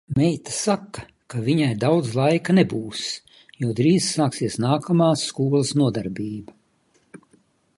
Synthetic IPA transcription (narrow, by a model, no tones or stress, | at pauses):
mɛjt̪ḁsakːɐ | kaviɲajd̪awd̪zlˠajkɐnebuːs | juɔd̪ɾiːzsaːksiɛsnaːkʰamaːsːkuɔlˠɐsnuɔd̪aɾbiːba